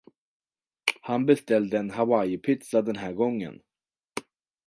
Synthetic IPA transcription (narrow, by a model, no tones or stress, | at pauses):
hanbɛst̪ɛld̪əɛnɦavajɪpʰɪt̪sad̪ɛnɦæːɾɡɔŋːə̰n